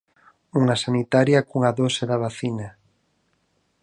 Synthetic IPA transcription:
uŋasanit̪aɾjakuŋaðoseðaβaθina

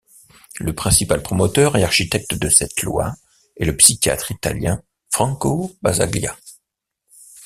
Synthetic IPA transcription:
ləpχɛ̃sipalpχɔmɔt̪œʁɛlaʁʃit̪ɛk̚t̪d̪əsɛt̪lwa̰ | ɛləpsikʲa̰t̪χit̪a̰ljɛ̃ | fχɑ̃kobaza̰ɡlja̰

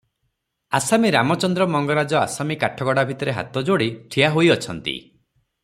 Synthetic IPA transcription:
a̰samiɾamɔt͡ʃɔnd̪ɾɔmɔŋɡɔɾad͡ʒɔa̰samikaʈʰɔɡɔɽabʱit̪ɔɾeɦa̰t̪ɔd͡ʒoɽiʈʰijaɦojɔt͡ʃʰɔnt̪ḭ

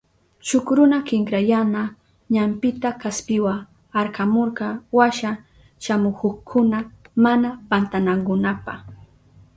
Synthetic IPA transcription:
ʃʊkɾʊnakɪŋkɾajana | ɲampɪt̪akaspɪwa | aɾkamoɾqɑwaʃa | ʃamʊkoχkʰʊnamanapant̪anaŋkʊnapa̰χ

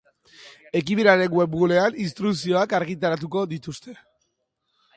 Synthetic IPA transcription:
e̞k̬iβiɾaɾe̞ŋwe̞bɣule̞aninst̪ɾuksio̞akaɾɣit̪̬aɾat̪̬uko̞ðit̪ust̪e̞

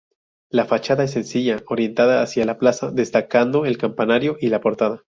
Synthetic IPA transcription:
lafat͡ʃaðaes̬ːe̞nsiʝao̞ɾje̞nt̪aðaːsjalaplasaðe̞st̪akand̪o̞e̞lkampanaɾjo̞ʔilapo̞ɾt̪aða

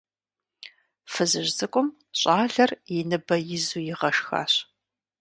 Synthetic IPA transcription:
fɨzɨʑzɨkʷʼʊm | ɕʼaːɮɐrjɪnɨbɐjɪzuːjɪʁɐʂxa̰ːɕ

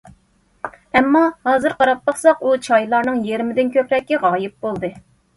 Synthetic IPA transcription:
ɛmːɑhɑːzɨɾqɑɾɑp̚lɑχsɑqut͡ʃʰɑjlˠɑɾnɨŋjeɾmɪd̪ɪnkʲøpɾɛkʲːiʁɑːjɪp̚bolˠd̪ɨ

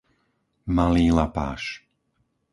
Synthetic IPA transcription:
maliːlapa̰ːʃ

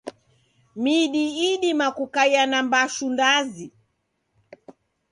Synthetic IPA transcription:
miɗiːɗimakukaijanambaʃundazi

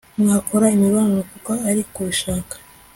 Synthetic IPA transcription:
mŋaːkʰoɾaimiβaːnnokukaːɾikuβiʃaːkḁ

